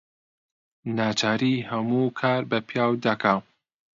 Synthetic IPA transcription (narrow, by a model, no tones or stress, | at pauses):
naːt͡ʃʰaːɾiːhɐmuːkʰaːɾbɐpʰjaːwd̪ɐkʰaː